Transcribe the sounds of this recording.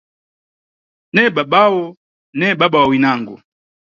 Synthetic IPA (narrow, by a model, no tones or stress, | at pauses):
nɛɓaɓawɔ | nɛɓaɓawawinaŋɡɔ̰